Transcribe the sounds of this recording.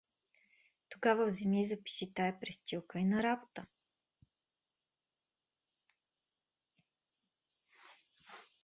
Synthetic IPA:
t̪oɡavəvzɛmizɐpi̥ʃit̪ajɐpɾɛst̪ilˠkəinɐɾabot̪ə

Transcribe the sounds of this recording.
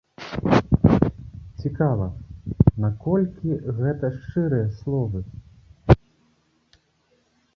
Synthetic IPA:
t͡sʲikavɐnakɔlʲkʲiɣɛt̪ɐʂt͡ʂɨɾɨjɐslˠɔvɨ

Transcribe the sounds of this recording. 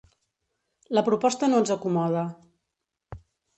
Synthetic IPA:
ləpɾupɔst̪ənoənzəkumɔð̞ə

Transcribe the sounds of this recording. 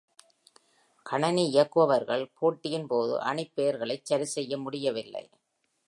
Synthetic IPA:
kʰɐɳɐniɪjɐkːɯʋɐʋɐɾɣɐɭpʰoːʈːɪjɪnpoːðɯ̰ʔɐ̰ɳɪpːeːɾɣɐɭɐɪt͡ʃːɐɾɪsɛjːɐmʊɽɪjɐʋɪlːɐ̰ɪ

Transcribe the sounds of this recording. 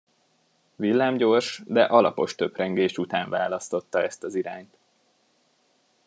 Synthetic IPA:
vilːaːmɟo̞ːrʃd̪ɛʔɒlɒpo̞ʃt̪øprɛŋɡeːʃut̪aːɱvaːlɒst̪o̞t̪ːɒɛst̪ɒziɾaːɲt̪

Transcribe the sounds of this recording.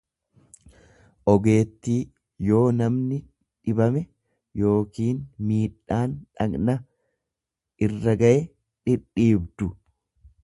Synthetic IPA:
ʔɔɡe̞ːt̪ːiː | jo̞ːnɐmnɪ | ᶑɪbɐmɛ | jo̞ːkiːnmiːᶑaːnᶑɐknɐ | ɪrːɐɡɐʔɛ | ᶑɪᶑːiːbd̪ʊ

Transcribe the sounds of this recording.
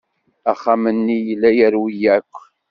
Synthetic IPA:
æχːamənːijəlːæjəɾwijækʷː

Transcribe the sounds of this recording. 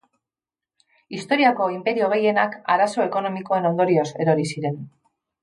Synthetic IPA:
ist̪o̞ɾiako̞impe̞ɾio̞ɣ̞e̞je̞nakaɾaso̞e̞ko̞no̞miko̞e̞no̞nd̪o̞ɾio̞se̞ɾo̞ɾisiɾe̞n

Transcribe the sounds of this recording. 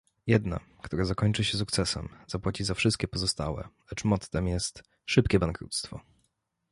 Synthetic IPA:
jɛd̪na̰ | kt̪uɾazakɔɲt͡ʂɘɕɛsukt̪sɛsɛ̰mz̥apwat͡ɕizafʂɘst̪̚kʲɛpɔzɔst̪a̰wɛ̰lɛt͡ʂmɔt̪t̪ɛmjɛst̪ | ʂɘpkʲɛbaŋkɾṵt̪st̪fɔ̰

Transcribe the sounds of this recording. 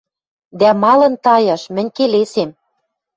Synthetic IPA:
d̪æmɑlɤ̆nt̪ɑjɑʃmɘ̆nʲkelesem

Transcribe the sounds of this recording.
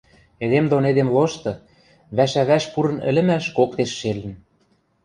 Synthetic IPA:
ed̪emd̪oned̪emloʃt̪ɤ̆ | βæʃæβæʃpuɾɤ̆nɘ̰̆lɘ̆mæʃkokt̪eʃːelɘ̆n

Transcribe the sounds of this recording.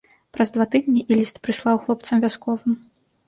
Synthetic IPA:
pɾɐzd̪vat̪ɨd̪ʲnʲiʔilʲist̪pɾɨslˠawxlˠɔp̚t̪sɐmvʲaskɔvɨm

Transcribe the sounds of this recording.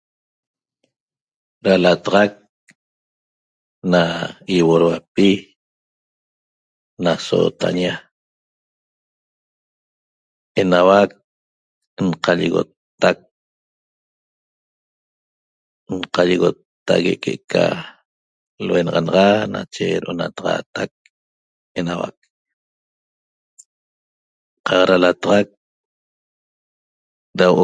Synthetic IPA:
ɾalat̪aʁɑk̚ | naiwoɾwapi | naso̰t̪a̰ɲa | enawak̚ | nqaʎiɣo̰t̪ːak̚ | nqaʎiɣot̪ːaɣeʔkeʔkʰa̰ | lwenɑʁɑnɑʁɑnat͡ʃeɾʔonat̪ɑʁɑ̰t̪ak̚ | enawa̰k̚ | qɑqɑɾalat̪ɑʁɑk̚ | dawʔo

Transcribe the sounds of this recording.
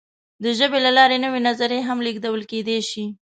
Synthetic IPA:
d̪əʒəbelalɑɾenəwenazaɾeɦamliɡd̪awəlked̪eʃi

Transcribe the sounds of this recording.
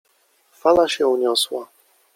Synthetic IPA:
falaɕɛuɲɔswa

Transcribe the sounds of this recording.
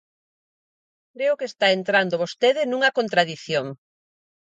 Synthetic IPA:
kɾeʊkest̪aent̪ɾand̪oβost̪eðɪnũŋɐkont̪ɾaðiθjoŋ

